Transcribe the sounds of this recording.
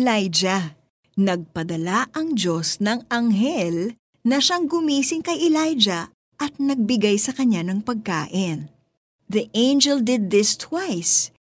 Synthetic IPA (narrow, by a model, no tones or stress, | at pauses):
lajd͡ʒɐ | nɐɡ̚pɐd̪ɐlaʔɐŋd͡ʒo̞snɐŋɐŋɦɛl | nɐʃaŋɡʊmiːsɪŋkɐjʔɛlajd͡ʒɐ | ʔɐt̪̚nɐɡ̚bɪɡajsɐkɐɲːanɐŋpɐɡ̚ka̰ːʔɪn | ðiʔẽjnd͡ʒɛld̪ɪd̪̚ːɪst̪ʰwajs